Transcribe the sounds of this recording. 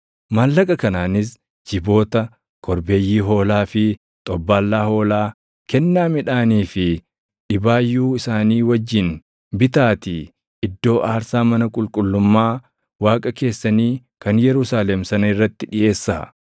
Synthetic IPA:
maːlːɐkʼɐkɐnaːnɪs̬ | d͡ʒɪbo̞ːt̪ɐ | kʰɔɾbe̞ːjːiːɦo̞ːlaːfɪ | t̪ʼɔbːaːlːaːho̞ːlaː | kɛnːaːmɪᶑaːniːfɪ | ᶑɪbaːjːuːɪsaːniːwɐd͡ʒːɪn | bɪt̪aːt̪i | ɪd̪ːo̞ːʔaːɾsaːmɐnɐkʼʊlkʼʊlːʊmːaː | waːkʼɐke̞ːsːɐniː | kɐnjɛɾʊsaːlɛmsɐnɐɪrːɐt̪ːɪᶑɪʔe̞ːsːa̰ː

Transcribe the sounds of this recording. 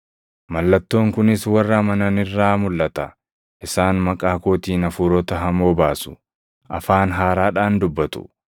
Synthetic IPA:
mɐlːɐt̪ːo̞ːŋkʊnɪswɐrːɐmɐnɐnɪrːaːmʊlːɐt̪ɐ | ʔɪsaːnmɐkʼaːko̞ːt̪iːnɐfuːɾɔt̪ɐɦɐmo̞ːbaːsʊ̥ | ʔɐ̰faːnɦaːɾaːᶑaːnd̪ʊbːɐt̪ʊ̥̰

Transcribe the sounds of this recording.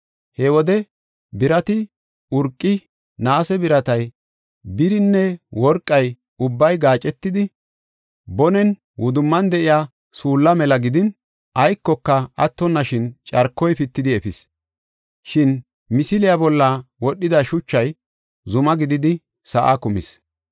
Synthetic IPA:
hɛwɔd̪ɛ | bɪɾɐt̪ɪ | ʊɾkʼːɪ | naːsɛbɪɾɐt̪ɐj | bɪɾɪnːɛwɔɾkʼːɐj | ʊbːɐjɡaːt͡ʃʼːɛt̪ːɪd̪ɪ | bɔnɛn | wʊd̪ʊmːɐnd̪ɛʔɪjaː | suːlːɐmɛlɐɡɪd̪ɪn | ɐjkːɔkːɐɐt̪ːɔnːɐʃɪnt͡ʃʼɐɾkːɔjpɪt̪ːɪd̪ɪɛfɪs | ʃɪn | mɪsɪlɪjabɔlːɐwɔɗːɪd̪ɐʃʊt͡ʃːɐj | zʊmɐɡɪd̪ɪd̪ɪ | sɐʔa̰kʊmɪ̰s

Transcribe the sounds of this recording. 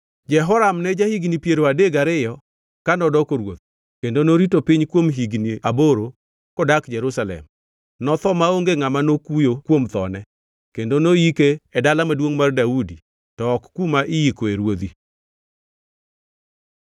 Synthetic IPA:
d͡ʒɛɦɔɾamnɛd͡ʒahiɡnipjeɾoadeɡaɾɪjɔ | kanɔdɔkoɾwo̰t̪̚ | kendonoɾitopiɲkwomɦiɡniaboɾo | kɔdakd͡ʒɛɾusalɛ̰m | nɔt̪ɔmaoŋɡeŋamanokujokwomt̪ɔnɛ | kendonoikeɛdalamadwoŋmardaudi | tɔːkːumaʔɪjikoeɾwod̪i

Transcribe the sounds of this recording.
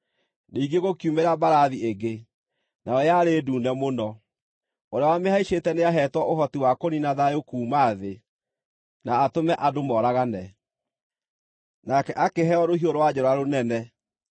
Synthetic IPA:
neiɡeɣokjumeɾabaɾaðieɡe | nʔaɔjaɾeːduːnɛmonɔ | oɾeawamehaiɕetɛneaɦɛtwɔoɦɔtiwakoninaðajokuːmaðe | naːtomɛʔadomɔːɾaɣanɛ | nakɛʔakeɦɛɔɾohioɾowad͡ʑɛɾɔaɾonɛnɛ

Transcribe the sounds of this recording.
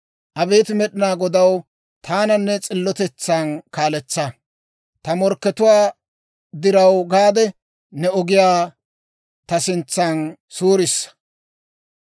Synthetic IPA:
ʔɐbeːt̪ɪmɛɗɪnaːɡɔd̪ɐw | t̪ʰaːnɐnːɛt͡sʼɪlːɔt̪ɛt͡sːankaːlɛt͡sːɐ | t̪ɐmɔɾkːɛt̪ʊwaː | d̪ɪɾɐwɡaːd̪ɛ | nɛɔɡɪjaː | t̪ɐsɪnt͡sːɐnsuːɾɪsːɐ̥

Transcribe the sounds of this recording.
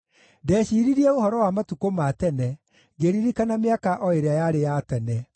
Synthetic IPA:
dɛːɕiːɾiɾiɛohɔɾɔwamatukomatɛnɛ | ɡeɾiɾikanameakaʔɔeɾeajaɾejatɛnɛ

